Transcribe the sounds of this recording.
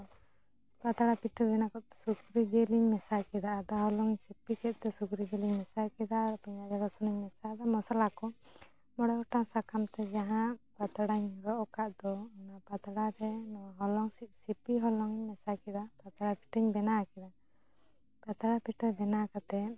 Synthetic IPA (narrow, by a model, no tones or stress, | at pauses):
pat̪aɽapiʈəbɛnakɔt̪sukɾid͡ʒɛliɲmɛsakɛd̪aːd̪aɦɔlɔŋsipikɛt̪̚ˀt̪ɛsukɾid͡ʒɛliɲmɛsakɛd̪apɛɲad͡ʒaɡɔsunaɲmɛsad̪amɔsalakɔ | mɔɽɔɔʈasakamt̪ɛd͡ʒaɦãʔpat̪aɽaɲɾɔʔɔkaʔd̪ɔɔnapat̪aɽaɾɛnɔwaɦɔlɔŋsiʔ̚sipiɦɔlɔŋmɛsakɛd̪apat̪aɽapiʈəɲbɛnakɛd̪a | pat̪aɽapiʈəbɛnakat̪ɛ